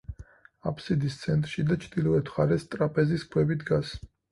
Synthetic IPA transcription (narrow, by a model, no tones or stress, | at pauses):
a̰pʰsid̪ist̪sʰɛnt̪ʼɾʃid̪at͡ʃʰd̪ilɔɛt̪ʰχaɾɛst̪ʼɾapʼɛziskʰwɛbid̪ɡas